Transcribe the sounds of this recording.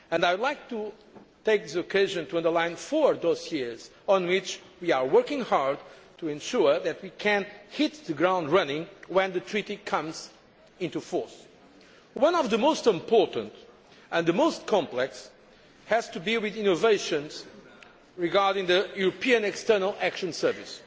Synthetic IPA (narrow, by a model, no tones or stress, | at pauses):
ɨ̃naɪwdˡlaɪk̚t̪u | t̪eɪk̚ðɪsokʰeɪʒɨ̃ntuʌ̃ndə˞lãɪ̃nfɔɹd̪osjez̥ | ɔ̃nwɪt͡ʃwiaɹwɜ˞kɪ̃ŋhaɹdtʰuɛ̃nʃuɹðɨt̪̚wikʰɨ̃nhit̪̚ðɨɡɹãʊ̃ndɹʌnɪ̃ŋwɛ̃nðɨtʰɹiɾikʰʌ̃mz | ɪ̃ntufɔɹs | wʌ̃nɔvðəmoʊstɪ̃mpʰɔɹtə̰̃nt | ə̃nðəmoʊst̚kʰɑ̃mplɛks | hɨz̥tudilˠwiðĩnoveɪʃɨ̃nz̥ | ɹiɡaɹdɪ̃ŋðɨjuɾopiɨ̃nɛkstɜ˞nəlˠækʃɨ̃nsɜ˞vḭs